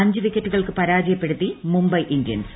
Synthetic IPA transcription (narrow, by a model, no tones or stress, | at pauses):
ɐɲd͡ʑɨʋikʲːɐtːuɣɐɭkɨpɐɾaːd͡ʑɐjɐpːe̞ɽut̪ːimumbɐjʔindjɐ̰ns